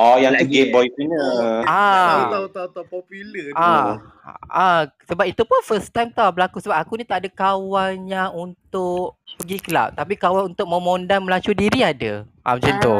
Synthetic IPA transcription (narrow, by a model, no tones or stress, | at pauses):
ʔɔjaŋlaɡembɔjsinəat̪aut̪aũt̪apɔpuləa | asəbap̚it̪upʊnfəst̪ajmt̪abəlakusəbap̚akunĩt̪aʔadakawalɲaunt̪ʊʔpəɡikəla̰p̚t̪apikawalunt̪ʊk̚mə̃mondanməlat͡ʃudiɾiadəʔa̰mt͡ʃənd̪o